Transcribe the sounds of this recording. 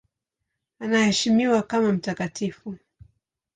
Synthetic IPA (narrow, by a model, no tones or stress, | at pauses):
anahɛʃimiwakamam̩takatifu